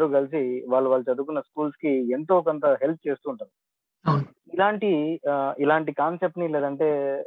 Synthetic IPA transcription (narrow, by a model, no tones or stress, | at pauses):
ɾukɐlis̬iʋaːɭːuʋaːlːɐt͡ʃɐd̪ukunːɐskuːlskient̪o̞ːkont̪ɐɦe̞lp̚ʰt͡ʃe̞ːst̪uːɳʈund̪i | ilaːɳʈiilaːɳʈikaːnsep̚ʈnileːd̪ɐɳʈe̞ː